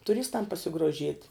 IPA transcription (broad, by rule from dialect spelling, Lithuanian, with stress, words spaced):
tʊˈrʲɪstɐm pɐsʲɪɡroːˈʒʲiɛtʲ